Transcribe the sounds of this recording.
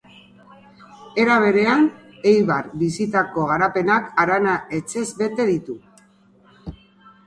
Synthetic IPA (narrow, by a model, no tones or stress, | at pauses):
e̞ɾaβ̞e̞ɾe̞an | ejβaɾbisit̪ako̞ɣ̞aɾape̞nakaɾanae̞t͡ʃe̞zβe̞t̪e̞ðit̪u